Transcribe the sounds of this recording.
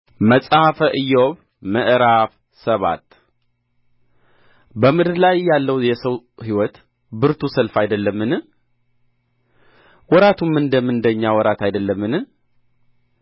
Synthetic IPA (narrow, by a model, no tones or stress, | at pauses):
məsʼahafəʔɨjːɛwoβ | məʔɾaf | səβa̰t̪ | bəmɨd̪ɨɾlajjalːəwjɛsəwhiwɔt̪ | bɨɾt̪ʰusəlfajd̪əlːəmːɨnɨ | wɔɾat̪ʰumːɨnd̪əmɨnd̪əɲːawɔɾat̪ajd̪əlːəmːɨnɨ